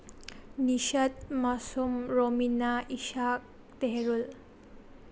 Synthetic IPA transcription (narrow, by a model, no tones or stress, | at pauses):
niʃad̪masomɾominaiʃak̚ | t̪eɦeɾul